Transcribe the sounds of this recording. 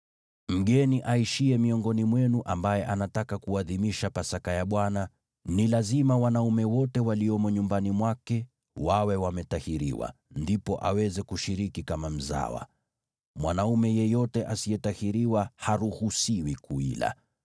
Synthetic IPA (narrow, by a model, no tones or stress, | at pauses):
m̩ɠɛniʔaiʃiɛmiɔŋɡɔnimwɛnuʔambajɛʔanatakakuaðimiʃapasakajaɓwana | nilazimawanaumɛwɔtɛwaliɔmɔɲumbanimwakɛ | wawɛwamɛtahiɾḭwa̰ | ndipɔʔawɛzɛkuʃiɾikikamam̩za̰wa̰ | mwanaumɛjɛjɔtɛʔasijɛtahiɾiwahaɾuhusiwikuḭla̰